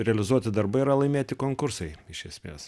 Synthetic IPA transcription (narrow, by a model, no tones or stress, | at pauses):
ɾʲɛɐlʲɪzuɔt̪ʲɪd̪ɐɾbɐɪɪɾɐlˠɐɪmʲeːt̪ʲɪkoːŋkʊɾsɐɪɪʃʲɛsʲmʲḛːs